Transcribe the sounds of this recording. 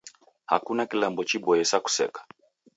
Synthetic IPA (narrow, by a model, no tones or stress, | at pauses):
ha̰kunakilɛmbɔt͡ʃibɔjɛsaku̥sɛ̰kḁ